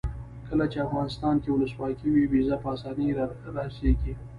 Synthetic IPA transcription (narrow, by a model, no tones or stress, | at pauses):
kəlat͡ʃeafɣɑnɪst̪ɑnkewʊləswɑkiwiwizapəɑsɑniɾaseɡi